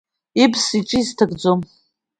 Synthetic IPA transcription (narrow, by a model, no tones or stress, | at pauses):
ibʰsiʈ͡ʂʼiztʰaɡʼd͡zom